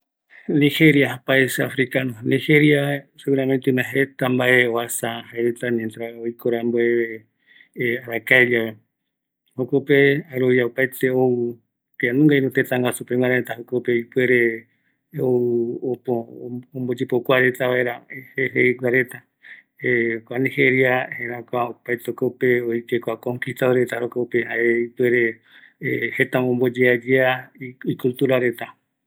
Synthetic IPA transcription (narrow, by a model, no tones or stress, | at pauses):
niheɾiahapaeseafɾikanonĩhe̞ɾjaseɣuɾamẽnt̪einaɦet̪ambaʔe̞oasahaeɾet̪aɲẽnt̪ɾaojkʰoɾamboeβe | aɾakaeɾaβe | hokopeaɾoβjaopaet̪eou | t̪eanũŋɡaĩɾõt̪et̪aŋɡasupeŋaɾet̪ahokopeoipwe̞ɾe̞ | oopoõmbod͡ʒepokʷaɾe̞t̪aβaeɾaheɦeiɡʷaɾe̞t̪a | ekʷanĩheɾiaheɾakʷaopajt̪eokopeojkekʷakoŋkist̪aɾe̞t̪aɾokopeɦaeipweɾe̞ | het̪ãõmbod͡ʒead͡ʒeaiikult̪uɾaɾe̞t̪a